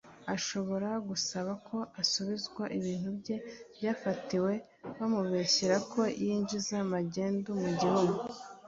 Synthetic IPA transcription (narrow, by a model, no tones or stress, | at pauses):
aʃo̞βo̞ɾaɡusaβakʰo̞ʔasuβizɡwaʔiβiːnhubɟe̞bjaːfatiwe̞ | βamuβeçiɾakʰo̞jiːɲd͡ʒizamaɟeːndumuɟihuɡu